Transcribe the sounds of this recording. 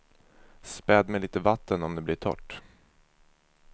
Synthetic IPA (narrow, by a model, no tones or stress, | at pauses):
spɛd̪mɛjliːt̪əvat̪ːənɔmd̪ɛblɪʈʰɔ̰ʈː